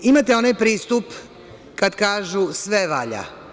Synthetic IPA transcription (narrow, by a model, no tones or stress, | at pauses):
imat̪eo̞najpɾiːst̪up | kad̪kaːʒusʋeʋaʎa̰